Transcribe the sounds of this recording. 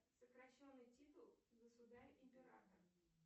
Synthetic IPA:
səkɾɐɕːo̞nːɨjtʲit̪ʊlˠɡəsʊd̪aɾʲʔɪmʲpʲɪɾa̰t̪ər

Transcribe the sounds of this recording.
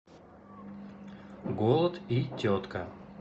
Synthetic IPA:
ɡolˠət̪itʲot̪kə

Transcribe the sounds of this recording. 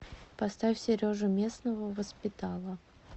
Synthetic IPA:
pɐst̪afʲsʲɪɾʲoʐɨmʲe̞snəvəvəspʲɪt̪alˠə

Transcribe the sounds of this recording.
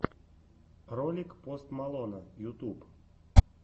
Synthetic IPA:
rɔlʲɪkpost̪malˠɔnəjʊt̪up

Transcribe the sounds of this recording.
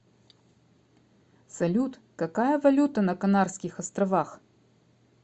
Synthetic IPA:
sɐlʲut̪kɐkajəvɐlʲut̪ɐnɐkɐnarskʲɪxɐst̪ɾɐvax

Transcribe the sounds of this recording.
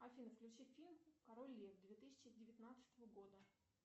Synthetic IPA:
ɐfʲinəfklʲʉt͡ɕiffʲilʲmkɐɾolʲːivd̪vʲet̪ɨsʲɪ̥t͡ɕɪdʲɪvʲɪt̪ʲnat̪sɨ̥t̪əvəɡo̞d̪ə

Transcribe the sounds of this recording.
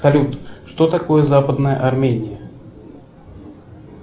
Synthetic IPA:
sɐlʲut̪ʂt̪ot̪ɐko̞jəzapəd̪nəjə̰ʔɐrmʲenʲɪjə

